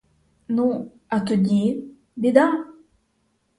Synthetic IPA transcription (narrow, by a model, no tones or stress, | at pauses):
nũ | at̪ud̪i | bid̪a